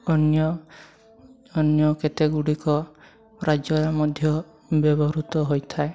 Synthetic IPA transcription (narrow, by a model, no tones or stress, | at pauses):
ɔnjɔ | ɔnjɔket̪eɡuɽikɔ | ɾad͡ʒɔɾamɔd̪ʱjɔ | bjɔbɔɾut̪ɔɦojt̪ʰae